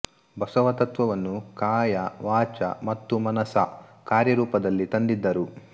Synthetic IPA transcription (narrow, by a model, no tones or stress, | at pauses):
bɐsɐʋɐt̪ɐt̪ʋɐʋɐnːukaːjɐʋaːt͡ʃɐ̰mɐt̪ːumɐnɐsɐkaːɾjɐɾuːpɐd̪ɐlːit̪ɐnd̪id̪ːɐɾu